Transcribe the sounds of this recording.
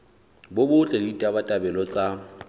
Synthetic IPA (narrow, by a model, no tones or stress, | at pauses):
bʊbʊt͡ɬʼɛditʼabatʼabɛlɔt͡sʼa